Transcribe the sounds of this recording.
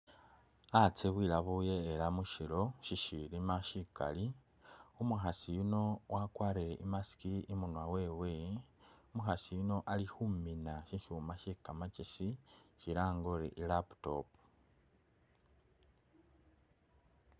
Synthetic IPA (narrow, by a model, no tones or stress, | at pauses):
at͡seβwiːlaβuje̞ːlamuʃilo̞ʃiʃilimaʃika̰li | umuxasijuno̞wʔakwaːɾile̞̰ʔimasi̥kiimunwawe̞we̞ | umuxasijuno̞ʔalixuminaʃiʃumaʃikamat͡ʃisiʃiɾaːŋɡoɾḛʔilapto̞̰pu̥